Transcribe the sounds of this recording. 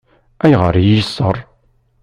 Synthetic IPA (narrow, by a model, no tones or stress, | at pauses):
æjʁəɾˤjisːərˤ